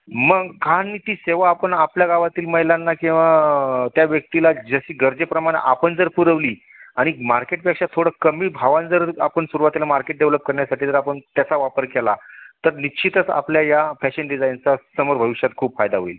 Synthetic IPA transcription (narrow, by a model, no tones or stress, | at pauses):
məɡkanːiːt̪iːseʋaːpəɳapljaɡaʋat̪iːlməɦjlanːakĩw̃ʋat̪jaʋjək̚t̪ilad͡zəɕiːɡəɾd͡zepɾəmaɽ̃ḛʔapəɳd͡zəɾpuɾəʋliː | aɽ̃imaɾkeʈpɛkʂat̪ʰːoɽəːkəmiːbʱaʋãnd͡zəɾapəɳsuɾuʋat̪ilamaɾkeʈ̚ɖeʋləp̚kəɾɳjasaʈʰiːt̪əɾapəɳt̪jat͡saʋapəɾkelat̪əɾniɕʰit̪ət͡sa̰pljajafæɕənɖid͡zajnt͡sasəməɾbʱəʋiɕjat̪kʰuːbfajd̪aɦoil